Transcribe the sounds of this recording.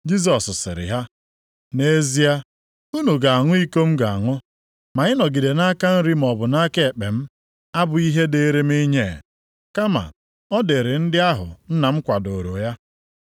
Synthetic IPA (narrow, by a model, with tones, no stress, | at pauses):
d͡ʒi˦s̬ɔ˨ssɪ̰˨ɾɪ̰˨ɦa˦ | ne˦zi˦a˦ | u˦nu˨ɡa˨a˨ŋʊ˦i˦ko˦m̩˦ɡa˨a˨ŋʊ˦ | ma˨ɪ˦nɔ˨ɡi˨de˨na˦ka˦n̩˦ɾi˦m̩˨ɔ˨bʊ˨na˦ke˦e˨k͡pe˨m̩˦ | a˦bʊ˨i˦ɦe˦de˦ɾe˦mi˦ɲe˦˨ | ka˦ma̰˨ | ɔ˦de˨ɾɪ˨n̩˦dɪ˦a˦ɦʊ̰˨n̩˦na˨m̩˦kʷa˨do˨ɾo˨ja˦